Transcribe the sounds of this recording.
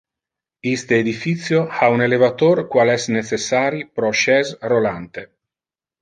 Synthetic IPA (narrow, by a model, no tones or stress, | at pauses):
ist̪eːd̪ifit̪sjohaunelevat̪orkwalɛsnet͡ʃesːaːɾipɾɔʃɛzrolant̪e